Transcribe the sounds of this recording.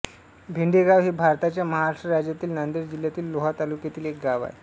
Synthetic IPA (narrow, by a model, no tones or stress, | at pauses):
bʱiɳɖeɡaʋɦebʱaɾt̪at͡ɕjaməɦaaʂʈɾəɾad͡ʑjat̪iːlnand̪əɾd͡ʑiljat̪iːlːoɦat̪alukjat̪iːlek̚ɡaʋa̰e